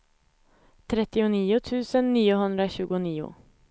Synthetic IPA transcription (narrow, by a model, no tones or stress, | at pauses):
t̪ʰɾɛt̪ɪʊniːʊt̪ʰʉːsənːiːəɦʉnd̪ɾəəçʉːɡʊniːʊ̰